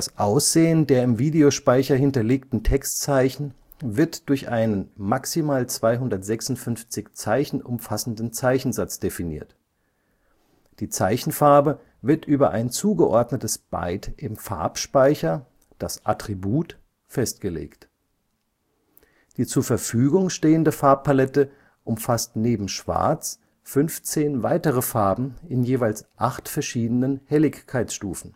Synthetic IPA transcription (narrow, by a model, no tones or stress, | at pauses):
d̥asʔaʊsz̥eːəndeːɐɪmviːdeoʃpaɪçɐɦɪntɐleːktn̩tʰɛkstt͡saɪçn̩ | vɪɐtd̥ʊɐçʔaɪnənmaksimaːlt͡sv̥aɪɦʊndɐtz̥ɛksʊntfʏnft͡sɪçt͡saɪçn̩ʔʊmfasn̩dn̩t͡saɪçn̩zat͡sd̥efinḭːɐt | d̥iːt͡saɪçn̩faɐbə | vɪɐtʔyːbɐʔa̰ɪnt͡suːɡəʔɔɐdnətəsb̥a̰ɪtʔɪmfa̰ɐpʃpaɪçɐ | d̥asʔa̰tʁ̥ibuːt | fɛstɡ̥əlḛːkt | d̥iːt͡suːɐfɛɐfyːɡʊŋʃteːəndəfaɐp̚pʰalɛtə | ʔʊmfastneːbm̩ʃv̥a̰ɐt͡s | fʏnft͡seːnvaɪtəʁəfaɐbm̩ɪnjeːvaɪlsʔaχtfɛɐʃiːdənənhɛlɪçkʰːaɪsʃtuːfn̩